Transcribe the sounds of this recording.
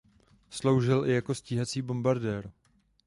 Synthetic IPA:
slo̞wʒɪlʔɪjako̞sciːɦat͡siːbo̞mbaɾdɛːɾ

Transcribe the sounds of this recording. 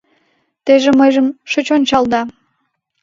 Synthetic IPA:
t̪eʒĕməjʒəmʃət͡ɕonʲt͡ɕɑld̪ɑ

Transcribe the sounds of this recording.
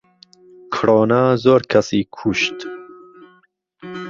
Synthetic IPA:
kʰɨɾɔːnazoːɾkʰɐsiːkʰuʃt̪

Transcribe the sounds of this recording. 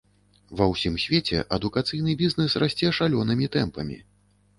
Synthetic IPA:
vɐwsʲimsʲvʲet͡sʲɛ̰ʔɐd̪ukat̪sɨjn̪ɨbʲiznɛsrasʲt͡sʲɛʂalʲɔnɨmʲit̪ɛmpɐmʲḭ

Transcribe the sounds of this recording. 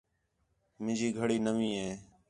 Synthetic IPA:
mɪ̃nd͡ʒiːɡʱəɽiːnəʋĩːɦeː

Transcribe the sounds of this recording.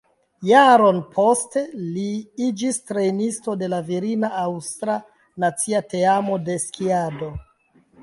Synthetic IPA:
jaɾo̞npʰo̞ste̞liid͡ʒistɾe̞nisto̞de̞laviɾinaawstɾa | nat͡siate̞amo̞de̞skʰiado̞

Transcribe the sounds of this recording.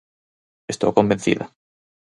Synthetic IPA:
est̪o̰wkõmbẽnθḭða̰

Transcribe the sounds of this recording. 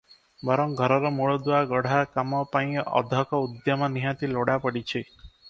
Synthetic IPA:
bɔɾɔŋɡʱɔɾɔɾɔmuɭɔd̪uaɡɔɽ̤akamɔpaĩɔ̰d̪ʱɔkɔud̪jɔmɔniɦat̪iloɽapɔɽit͡ʃʰi

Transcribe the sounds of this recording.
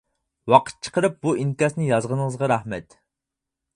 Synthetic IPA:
wɑqʰə̥t̪̚t͡ʃʰə̥qəɾɨp̚buink̪ɛsnɨjɑzʁənəŋəzʁɑɾɑhmɛt̪

